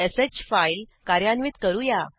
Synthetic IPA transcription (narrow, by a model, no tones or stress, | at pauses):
esed͡ʑfailkaɾjanʋiːt̪kəɾuja